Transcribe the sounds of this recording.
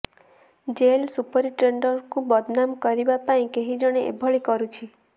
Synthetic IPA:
d͡ʒelsupɔɾiʈɾeɳɖɔɾkubɔd̪ʱnamkɔɾibapaĩkeɦid͡ʒɔɽ̃eʔḛbʱɔɭikɔɾut͡ʃʰi

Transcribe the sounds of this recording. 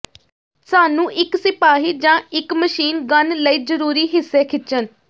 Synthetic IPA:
saːnũːʔɪksɪpaːɦiːd͡ʒãːɪkməʃiːnɡənləiːd͡ʒəɾuːɾiːɦɪsːeːkʰɪt͡ʃən

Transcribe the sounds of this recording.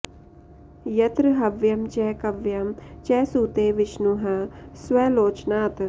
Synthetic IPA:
jɐt̪ɾɨɦɐʋjɐmt͡ʃɛːkɐʋjɐmt͡ʃɛːsuːt̪eːʋɪʃnuɦɐswɐloːt͡ʃnaːt̪

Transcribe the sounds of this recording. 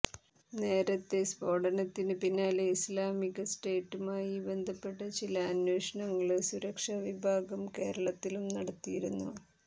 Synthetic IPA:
ne̞ːɾɐt̪ːe̞sbo̞ːɽɐnɐt̪ːinɨpinːaːlislaːmiɣɐsʈeːʈːumaːjibe̞nd̪ʱɐpːe̞ʈːɐt͡ɕilɐːnweːʂɐɳɐŋːɐɭɨsuɾɐkʂɐʋibʱaːɡɐmke̞ːɾɐɭɐt̪ːilumnɐɽɐt̪ːijiɾunːṵ

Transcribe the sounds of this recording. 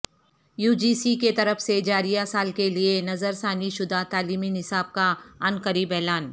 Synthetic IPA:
juːd͡ʒiːsiket̪ɐɾəfsed͡ʒaːɾijasaːlkelienɐzəɾsaːniʃʊd̪at̪aːliːminɪsaːb̚kaɐnkəɾiːbɛːlaːn

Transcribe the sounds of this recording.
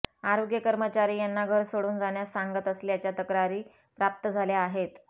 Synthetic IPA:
aɾoɡjəkəɾmət͡ɕaɾiːjanːaɡʱəɾsoɽuːnd͡zaɳjasaŋɡət̪əslijat͡ɕjat̪əkɾaɾiː | pɾap̚t̪əd͡zʱaljaaɦet̪

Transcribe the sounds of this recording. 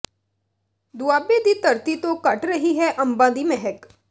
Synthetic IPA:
d̪uaːbed̪iːt̪ɐɾt̪it̪okɐʈɾɐɦiɦɛʔɐ̃mbãːd̪imɛɦɛk

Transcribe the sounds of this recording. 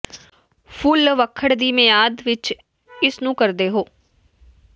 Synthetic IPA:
pʰʊlʋəkʰːəɽd̪iːmɪjaːd̪ʋɪt͡ʃ | ɪsnũːkəɾd̪eːɦoː

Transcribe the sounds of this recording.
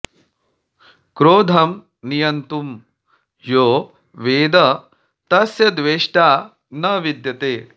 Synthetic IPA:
kɾoːd̪ʱɐm | nijɐnt̪um | joː | ʋeːd̪ɐ | t̪ɐsjɐd̪ʋeːʂʈaː | nɐʋid̪jɐt̪eː

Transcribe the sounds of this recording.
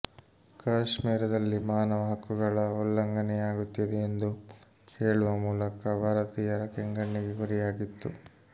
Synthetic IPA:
kaːʂmiːɾɐd̪ɐlːimaːnɐʋɐɦɐkuɡɐɭɐɔlːɐŋɡɐnɛjaːɡut̪ːid̪eːnd̪u | keːɭuʋɐmuːlɐkɐbʱaːɾɐt̪iːjɐɾɐkɛŋɡɐɳːiɡeɡuɾɛjaːɡit̪ːu

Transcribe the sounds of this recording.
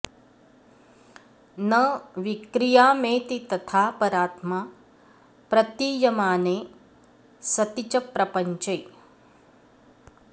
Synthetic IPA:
nəʋikɾijaːmeːt̪it̪ət̪ʰaːpəɾaːt̪ma | pɾɐt̪ijɐmaːne | sɐt̪it͡ʃəpɾɐpəɲt͡ʃəj

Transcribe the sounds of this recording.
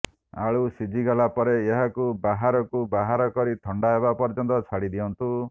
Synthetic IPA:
a̰ɭusid͡ʒʱiɡalapɔɾeːɦakubaɦaɾɔkubaɦaɾɔkɔɾit̪ʰɔɳɖaɦebapɔɾd͡ʒɔnt̪ɔt͡ʃʰaɽid̪iɔnt̪u

